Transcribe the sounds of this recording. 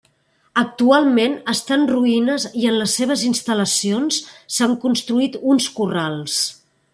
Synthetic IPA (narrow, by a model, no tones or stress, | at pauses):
ək̚t̪ualˠmenəst̪anruinəziənləsːeβ̞əzinst̪ələsionssaŋkunst̪ɾuit̪unskuralˠs